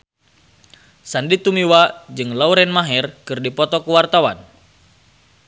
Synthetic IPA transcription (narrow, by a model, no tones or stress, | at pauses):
sandit̪umiwad͡ʒɨŋlauɾɛnmaɦɛrkɨrdipɔt̪ɔkuwart̪awa̰n